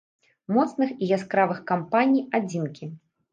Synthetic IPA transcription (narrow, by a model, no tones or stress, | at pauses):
mɔt̪snɨxiɣʲaskɾavɨxkampanʲijad͡zʲinkʲi